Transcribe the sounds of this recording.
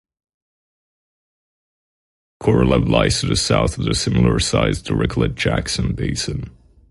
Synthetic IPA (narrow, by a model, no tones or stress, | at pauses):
kʰɔɹəlˠəvlaɪstʰɨðɨsaʊθəðɨsɪ̃ml̩ˠə˞saɪz̥tʰəɹɪkʰl̩ˠɨt̚d̥ʒ̥æksɨ̃nbeɪsɨ̃n